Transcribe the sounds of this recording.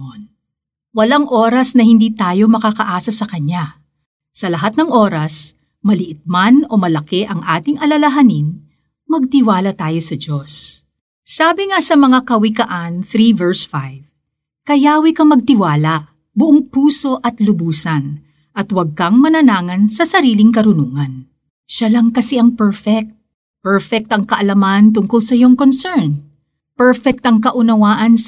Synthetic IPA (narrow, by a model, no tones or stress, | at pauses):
n | wɐlaŋʔo̞ːɾɐsnɐhɪnd̪iːt̪aːjo̞mɐkakɐʔaːsɐsɐkɐɲa | sɐlɐɦat̪̚nɐŋʔo̞ːɾɐs | mɐlɪʔɪt̪̚mano̞mɐlɐkɛʔɐŋʔaːt̪ɪŋʔɐlɐlɐɦɐnin | mɐɡ̚t̪ɪwaːlɐt̪aːjo̞sɐd͡ʒo̞s | saːbɪŋasɐmɐŋakɐwɪkɐʔanθɾivɛɹsfajv | kɐjaːwikɐmɐɡ̚t̪ɪwaːlɐ | bʊʔoŋpuːso̞ʔɐt̪lʊbuːsɐn | ʔɐt̪wɐɡ̚kɐŋmɐnɐnaːŋɐnsɐsɐɾiːlɪŋkɐɾʊnuːŋɐn | ʃalɐŋkɐsɛʔɐŋpɛɹfɛk̚t̪̚ | pɛɹfɛk̚t̪ɐŋkɐʔɐlɐmant̪̬ʊŋkʊlsɐɪjoŋkonsɛɹn | pɛɹfɛk̚t̪ɐŋkɐʔʊnɐwaːʔɐn